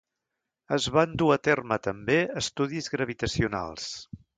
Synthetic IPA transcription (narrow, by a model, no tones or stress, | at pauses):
əzβand̪uət̪ermət̪əmbeəst̪uðizɣɾəβ̞it̪əsiuna̰lˠs